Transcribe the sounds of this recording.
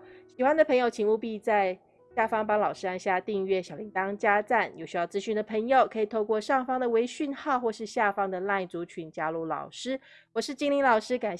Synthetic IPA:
ɕi˨˩xwa˦nd̪ə˨pʰɤ˧˥ŋjo˨˧ʊt͡ɕʰi˧˥ŋu˥˧pi˥˧t͡sa˥˧ɪ | ɕja˥˩fɑ˥ŋpɑ˥ŋlɑ˨˩ʊʂɻ̩˥a˧nɕja˥˧t̪i˥˧ŋɥɛ˥˩ɕjɑ˨˩ʊli˧˥ŋt̪ɑ˥ŋt͡ɕja˥t͡sa˥˩njo˨˩ʊɕy˧˥jɑ˥˩ʊt͡sɹ̩˧˥ɕy˥˩nd̪ə˩pʰə˧˥ŋjo˨ʊkʰɤ˧˥i˨˩t̪ʰo˥˧ʊkwɔ˥˧ʂɑ˥˩ŋfɑ˥ŋd̪ə˨we˧˥ɪɕy˥˧nxɑ˥˧ʊxwɔ˥˧ʂɻ̩˥˧ɕja˥˩fɑ˥ŋd̪ə˨la˥˩nt͡su˧˥t͡ɕʰy˨˩nt͡ɕja˥lu˥˩lɑ̰˨˩ʊʂɻ̩˥ | wɔ˨˩ʂɻ̩˥˩t͡ɕi˥ŋli˧˥ŋlɑ˨˩ʊʂɻ̩˥ka˨˩n

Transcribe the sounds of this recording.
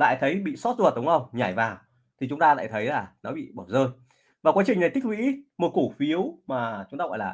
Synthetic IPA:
la̰ː˧˨jt̪ʰə˨˦jɓḭ˧˨sɔ˦˥t̚zo˧˨ə˨˩t̚ɗə˨˦wŋ͡mʔə˧wŋ͡mɲaː˧˩jvaː˨˩w | t̪ʰi˨˩t͡ɕʊ˨˦ŋ͡mt̪aː˧la̰ː˧˨jt̪ʰə˨˦jlaː˨˩nɔ˨˦ɓḭ˧˨ɓɔː˧˩zəː˧j | vaː˨˩kwa˨˦t͡ɕï˨˩ŋna˨˩jt̪ʰi˦˥k̚wḭ˧˥mo˨˩t̚ku˧˩fi˨˦əwmaː˨˩t͡ɕʊ˨˦ŋ͡mt̪aː˧ɣɔ̰˧˨laː˨˩

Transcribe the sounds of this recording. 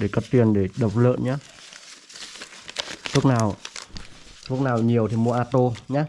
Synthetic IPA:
ɗe˧˩kɔ˨˦t̪i˨˩ənɗe˧˩ɗə˨˩wk͡p̚lə̰ː˧˨nɲaː˦˥ | t̪ʰu˦˥k̚naː˨˩w | t̪ʰu˦˥k̚naː˨˩wɲi˨˩əwt̪ʰi˨˩mu˧əʔaː˧t̪o˧ɲaː˨˦˥

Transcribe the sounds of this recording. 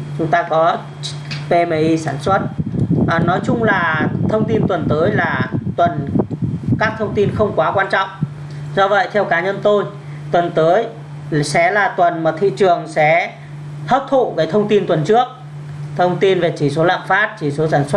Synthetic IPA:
t͡ɕʊ˨˦ŋ͡mt̪aː˧kɔ˨˦ | pe˧me˨˦ʔi˧saː˧˩nswə˦˥t̚ | nɔ˨˦jt͡ɕʊ˧ŋ͡mlaː˨˩t̪ʰə˧wŋ͡mt̪i˧nt̪wə˨˩nt̪əː˨˦jlaː˨˩t̪wə˨˩n | kaː˦˥k̚t̪ʰə˧wŋ͡mt̪i˧nxə˧wŋ͡mkwaː˨˦kwaː˧nt͡ɕɔ̰˧˨wŋ͡m | zɔ˧və̰˧˨jt̪ʰɛ˧wkaː˨˦ɲə˧nt̪o˧j | t̪wə˨˩nt̪əː˨˦j | sɛ̰˧˥laː˨˩t̪wə˨˩nmaː˨˩t̪ʰḭ˧˨t͡ɕɨ˨˩əŋsɛ̰˧˥ | t̪ʰəː˦˥p̚t̪ʰo̰˧˨ɣəː˨˦jt̪ʰə˧wŋ͡mt̪i˧nt̪wə˨˩nt͡ɕɨ˦˥ək̚ | t̪ʰə˧wŋ͡mt̪i˧nve˨˩t͡ɕi˧˩so˨˦la̰ː˧˨nfaː˦˥t̚t͡ɕi˧˩so˨˦saː˧˩nswə˦˥

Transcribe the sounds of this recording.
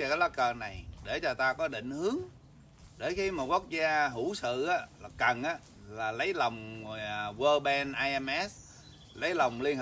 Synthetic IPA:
ɔ˧kaː˨˦jlɔ˦˥k̚kəː˨˩na˨˩jɗe˧˩t͡ɕɔ˧t̪aː˧kɔ˨˦ɗḭ̈˧˨ŋ̟hɨ˨˦əŋ | ɗe˧˩kiː˨˦mo˨˩t̚ku˦˥ək̚zaː˧ɦu˧˩sɨ̰˧˨ʔaː˨˦la˨˩kə˨˩nʔaː˨˦ | laː˨˩lə˨˦jlə˨˩wŋ͡m | wəː˧ɓɛ˧nʔaː˧jʔɛ˧mʔɛ˦˥s | lə˨˦jla˨˩wŋ͡mli˧ənh

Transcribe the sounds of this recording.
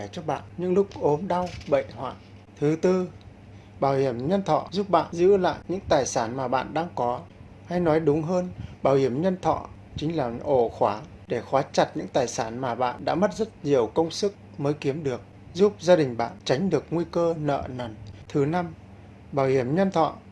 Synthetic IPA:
ɛ˧˩t͡ɕɔ˧ɓa̰ː˧˨nɲɨ̰˧˥ŋlʊ˦˥k͡p̚ʔo˨˦mɗa˧wɓə̰˧˨jhwa̰ː˧˨j | t̪ʰɨ˨˦t̪ɨ˧ | ɓaː˧˩whi˧˩əmɲə˧nt̪ʰɔ̰˧˨zu˦˥p̚ɓa̰ː˧˨nzɨ̰˧˥la̰ː˧˨jɲɨ̰˧˥ŋt̪aː˨˩jsaː˧˩nmaː˨˩ɓa̰ː˧˨nɗaː˧ŋkɔ˨˦ | ha˧jnɔ˨˦jɗʊ˨˦ŋ͡mɦəː˧nɓaː˧˩whi˧˩əmɲə˧nt̪ʰɔ̰˧˨ | t͡ɕï˨˦ŋ̟laː˨˩ʔo˧˩xwaː˨˧˦ | ɗe˧˩xwaː˨˦t͡ɕa˨˩t̚ɲɨ̰˧˥ŋt̪aː˨˩jsaː˧˩nmaː˨˩ɓa̰ː˧˨nɗa̰ː˧˥mə˦˥t̚zə˦˥t̚ɲi˨˩əwkə˧wŋ͡msɨ˦˥k̚məː˨˦jki˨˦əmɗɨ˨˩ək̚ | zu˦˥p̚zaː˧ɗï˨˩ŋ̟ɓa̰ː˧˨nt͡ɕa˨˦ŋ̟ɗɨ˨˩ək̚ŋwi˧kəː˧nə̰ː˧˨na˨˩nt̪ʰɨ˨˦na˧m | ɓaː˧˩whi˧˩əmɲə˧nt̪ʰɔ̰˧˨

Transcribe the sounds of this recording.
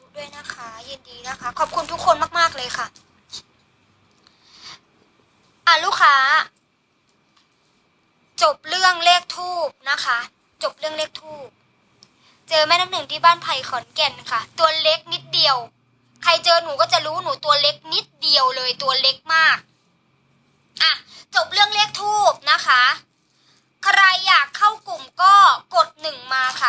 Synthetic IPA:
du˥˩əjna˧˥˩kʰa˧je˧ndiː˨˦na˦˧˩kʰa˧˩kʰɔː˨˩p̚kʰu˧nt̪ʰu˦˥kʰːo˧˨nmaː˥˩maː˥˩k̚lɤː˧jkʰa˧˩ | ʔa˧˩luː˧˥˩kʰaː˨˦ | t͡ɕo˨˩p̚lɯ˥˩əŋleː˥˩k̚t̪ʰuː˥˩p̚na˦˧˥kʰa˦˧˥ | t͡ɕo˨˩p̚lɯ˥˩əŋleː˥˩k̚t̪ʰuː˥˩p̚ | t͡ɕɤː˧maː˧˥jna˦˥k̚nɯ˨˩ŋt̪ʰiː˧˩baː˥˩npʰa˨˩jkʰɔ˨˩˦nkɛ˧˩nːa˦kʰa˦˥t̪u˧ɐle˦˥k̚ni˦˥t̪̚di˨˧əw | kʰa˧jt͡ɕɤː˧nuː˨˦kɔː˥˩t͡ɕa˨˩ɾuː˦˥nuː˨˩˦t̪u˧ɐle˦˥k̚ni˦˥t̪̚di˨˩əwlɤː˧jt̪u˧ɐle˦˥k̚maː˥˩k̚ | ʔa˧˩t͡ɕo˨˩p̚lɯ˥˩əŋleː˥˩k̚t̪ʰuː˥˩p̚na˦˥kʰa˦˥ | kʰɾa˧jːaː˨˩kʰːa˥˩wku˨˩mkɔː˥˩ko˨˩t̪̚nɯ˨˩ŋmaː˧kʰa˧˩

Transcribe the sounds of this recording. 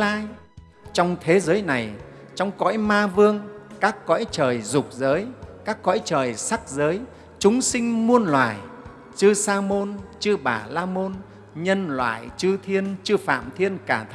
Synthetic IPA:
laː˧j | t͡ɕɔ˧wŋ͡mt̪ʰe˨˦zəː˨˦jna˨˩j | t͡ɕɔ˧wŋ͡mkɔ̰˧˥jmaː˧vɨ˧əŋkaː˦˥kːɔ̰˧˥jt͡ɕəː˨˩jzʊ˨˩k͡p̚zəː˨˦jkaː˦˥kːɔ̰˧˥jt͡ɕəː˨˩jsa˦˥k̚zəː˨˦j | t͡ɕʊ˨˦ŋ͡msï˧ŋ̟mu˧ənlwaː˧˨˩j | t͡ɕɨ˧saː˧mo˧nt͡ɕɨ˧ɓaː˨˩laː˧mo˧n | ɲə˧nlwa̰ː˧˨jt͡ɕɨ˧t̪ʰi˧ənt͡ɕɨ˧fa̰ː˧˨mt̪ʰi˧ənkaː˧˩t̪ʰ

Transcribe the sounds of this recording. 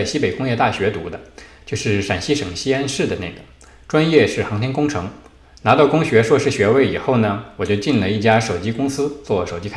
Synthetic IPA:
ɕi˥pe˨˩ɪkʊ˥ŋjɛ˥˧t̪a˥˩ɕɥɛ˧˥t̪u˧˥d̪ə˧t͡ɕjo˥˧ʊʂɻ̩˥˩ʂa˨˩nɕi˥ʂɤ˨˩ŋɕi˥a˥nʂɻ̩˥˩d̪ə˩ne˥˩ɪɡə˩ | ʈ͡ʂwa˥njɛ˥˧ʂɻ̩˥˩xɑ˧˥ŋt̪ʰjɛ˥nkʊ˥ŋʈ͡ʂʰɤ˧˥ŋ | na˧˥t̪ɑ˥˩ʊkʊ˥ŋɕɥɛ˧˥ʂwɔ˥˧ʂɻ̩˥˩ɕɥɛ˧˥we˧˥ɪi˨˩xo˥˩ʊnə˩wɔ˨˩t͡ɕjo˥˧ʊt͡ɕi˥˩nlə˩i˥˩t͡ɕja˥ʂo˨˩ʊt͡ɕi˥kʊ˥ŋsɹ̩˥t͡swɔ˥˩ʂo˨˩ʊt͡ɕi˥kʰ

